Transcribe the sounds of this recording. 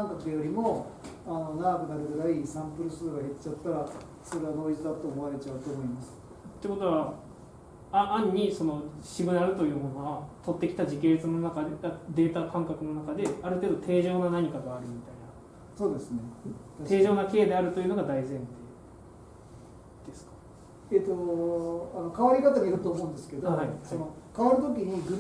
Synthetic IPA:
kãŋkakɯd̪ejoɾʲimo̞ano̞naɡakɯ̟naɾɯ̟ɡɯ̟ɾaisãmpɯ̟ɾɯ̟sɨːɡahe̞t͡ɕːat̪ːaɾa | so̞ɾe̞βad̪o̞ːit͡sɨd̪at̪oːmoβaɾe̞t͡ɕaɯt̪o̞ːmo̞imasɨ̥ | t̪ːe̞ko̞t̪o̞βa | aʔːɲ̟ːiso̞no̞ɕiɡɯ̟naɾɯ̟t̪o̞jɯ̟ːmõ̞no̞βat̪ʰo̞t̪ːe̞kʲi̥t̪aʑikʲeɾʲt͡sɨno̞nakaɡad̪e̞ːt̪akãŋkakɯ̟no̞nakad̪e̞aɾɯ̟t̪e̞ːd̪o̞t̪ʰe̞ːʑo̞ːnanaɲ̟ikaɡaːɾɯ̟mʲit̪aina | so̞ːd̪e̞sɨne | t̪e̞ːʑo̞ːnake̞ːd̪e̞aɾɯ̟t̪o̞jiɯ̟no̞ɡad̪aizẽ̞nt̪e | d̪̥e̞sɨ̥kḁ | et̪ːo | ano̞kaβaɾʲikat̪aɲiiɾɯ̟t̪oːmõːnd̪esɨ̥ke̞d̪ohhaihaonokaβaɾɯ̟t̪okʲiɲ̟iɡɯ

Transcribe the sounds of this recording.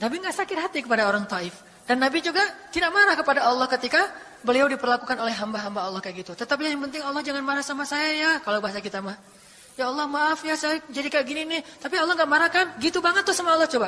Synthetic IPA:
nabiŋɡaʔsakɪrɦat̪ikəpadaoɾaŋt̪ɔʔɪf | d̥anːabid͡ʒuɡat̪idaʔmaɾahkəpadaɑlːɔhkət̪ika | bəliawdipərlakukanolɛɦːambaɦambaɑlːɔhkajɡit̪ut̪ət̪ap̬̚ɲajaŋpənt̪̬ɪŋɑlːɔhd͡ʒaŋanmaɾahsamasajajakalawbaɦasakit̪amah | jaɑlːɔhmaʔafijasajad͡ʒadikajaʔɡininit̪apiɑlːɔhŋɡaʔmaɾahkanɡit̪ubaŋət̪ːʊhsamaɑlːɑht͡ʃoba

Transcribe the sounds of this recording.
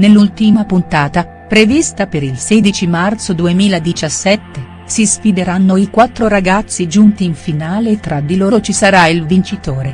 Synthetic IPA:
nelːult̪imapunt̪aːt̪a | pɾevist̪apeɾilsɛːd̪it͡ʃimart̪sod̪uemiːlad̪it͡ʃasːɛt̪ːe | sisfid̪eɾanːoikwat̪ːɾoɾaɡat̪sːid͡ʒunt̪iːɱfinaːleːt̪ːɾad̪ːiloːɾot͡ʃisaɾailvint͡ʃit̪oːɾe

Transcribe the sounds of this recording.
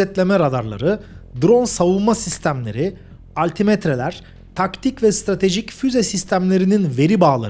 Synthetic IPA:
ɛt̪lʲe̞mɛɾad̪aɾlˠa̰ɾɯd̪ɾo̞nsavunˠmasist̪ʰæmlʲe̞ɾi | alʲt̪ʰimet̪ɾe̞lʲæɾ̥ | t̪ʰakt̪ʰicvɛst̪ɾat̪ʰe̞ʒicfyzesist̪ʰæmlʲe̞ɾininve̞ɾibaːlˠa̰

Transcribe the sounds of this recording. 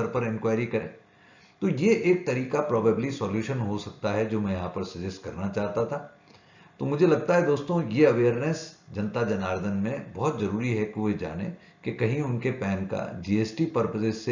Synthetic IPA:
ɐɾpɐɾɪ̃nkwaːɪɾikɐɾḛ̃ː | t̪ojeʔeːk̚t̪ɐɾiːkapɾɔːbaːblisɔːljuːʃənɦosɐk̚t̪aɦɛd͡ʒoːmɛ̃jɐɦãpɐɾsɐd͡ʒəskɐɾnat͡ʃaːɦt̪at̪ʰa | t̪omʊd͡ʒʱelɐɡ̚t̪aɦɛd̪oːst̪õjeɐʋeːəɾnesd͡ʒɐ̃nt̪ad͡ʒɐnaːɾd̪ʱənmẽbɔɦɔt̪zɐɾuːɾiɦɛkeʋed͡ʒa̰ːnḛ̃ | kekɐɦĩʊnkepɛːnka̰d͡ʒiːeːsʈipɐɾpəzɪsse

